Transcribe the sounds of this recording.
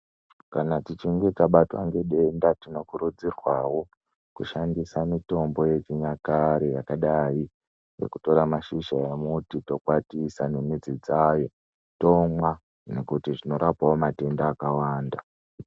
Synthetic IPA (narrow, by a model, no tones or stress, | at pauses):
kanatit͡ʃiŋɡe̞taɓata̰ŋɡe̞ɗe̞ndatino̞kuɾud͡zirwawo̞ | kuʃandisamito̞mbo̞je̞t͡ʃiɲakaɾejakaɗai | jḛkuto̞ɾamaʃiʃajemutito̞kwatisanemid͡zid͡zajo̞ | to̞mwa | nekutiʐino̞ɾapawomate̞ndaːkawaːnda